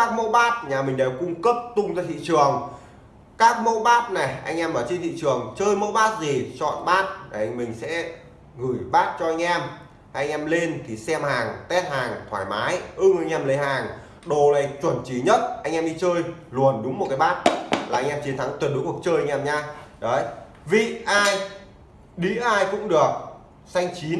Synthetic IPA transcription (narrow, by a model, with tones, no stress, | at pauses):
kaː˦˥k̚mo˧˥ɓaː˦˥t̚ɲaː˨˩mï˨˩ŋ̟ɗe˨˩wkʊ˧ŋ͡mkə˦˥p̚t̪ʊ˧ŋ͡mzaː˧jt̪ʰḭ˧˨t͡ɕɨ˨˩əŋ | kaː˦˥k̚mo̰˧˥ɓaː˦˥t̚na˨˩jʔa˧jŋ̟ʔɛ˧mɓaː˧˩wt͡ɕi˧t̪ʰḭ˧˨t͡ɕɨ˨˩əŋt͡ɕəː˧jmo̰˧˥ɓaː˦˥t̚zi˨˩t͡ɕɔ̰˧˨nɓaː˦˥t̚ʔŋmï˨˩ŋ̟sɛ̰˧˥ | ŋɨ˧˩jɓaː˦˥t̚t͡ɕɔ˧ʔa˧jŋ̟ʔɛ˧m | a˧ʔŋ̟ʔɛ˧mle˧nt̪ʰi˨˩sɛ˧mhaː˨˩ŋt̪ɛ˦˥t̚haː˨˩ŋt̪ʰwaː˧˩jmaː˨˦jʔɨ˧ŋ˨˧jŋʔɛ˧mle˨˦jɦaː˨˩ŋ | ɗo˨˩la˨˩t͡ɕwə˧˩nt͡ɕi˨˩ɲə˦˥t̚ʔa˧jŋ̟ʔɛ˧mɗi˧t͡ɕəː˧jlu˨˩ənɗʊ˨˦ŋ͡mm˨˩t̚kaː˨˦jɓaː˦˥t̚laː˨˩ʔa˧jŋ̟ʔɛ˧mt͡ɕi˨˦nt̪ʰa˨˦ŋt̪we˨˩ɗku˨˩ək̚t͡ɕəː˧jʔa˧ŋ̟ʔɛ˧mɲaː˧ɗə˨˦j | vḭ˧˨ʔaː˧j | ɗi˧˥ʔaː˧jkʊ̰˧˥ŋ͡mɗɨ˨˩ək̚ | sa˧jŋ̟t͡ɕi˨˦n